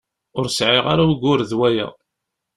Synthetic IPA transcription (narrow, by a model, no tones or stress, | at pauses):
ʊɾsʕɪʁa̰ɾaɡʊɾðwæjæ̰